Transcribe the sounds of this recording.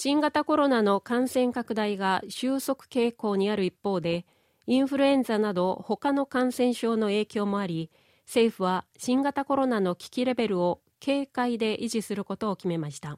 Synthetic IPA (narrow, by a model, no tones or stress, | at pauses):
ɕĩŋɡat̪ako̞ɾo̞nano̞kãɰ̃sẽ̞ŋkakɯ̟d̪aiɡaɕɨːso̞kɯ̟̥ke̞ːko̞ːɲ̟iaɾɯ̟ipːo̞ːd̪e̞ | ĩɰ̃ɸɯ̟ɾɯ̟ẽ̞nd͡zanad̪o̞ho̞kano̞kãɰ̃sẽ̞ɰ̃ɕo̞ːno̞e̞ːkʲo̞ːmo̞aɾʲi | se̞ːɸɯ̟βaɕĩŋɡat̪ako̞ɾo̞nano̞kʲi̥kʲiɾe̞be̞ɾɯ̟o̞ | kʰe̞ːkaid̪e̞ʔiʑisɨɾɯ̟ko̞t̪o̞ːkʲime̞maɕi̥t̪a